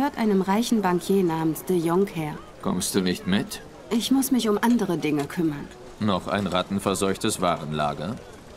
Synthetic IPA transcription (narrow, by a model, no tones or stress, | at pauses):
høːɐtʔaɪnəmʁaɪçn̩baŋkʰjeːnaːmənsd̥əjɔŋkhɛːɐ | kʰɔ̰mst̚d̥uːnɪçtmɪt | ʔɪçmʊsmɪçʊmʔandəʁədɪŋəkʰʏmɐn | nɔχa̰ɪnʁatn̩fɛɐzɔʏçtəsv̥aːʁənla̰ːɡɐ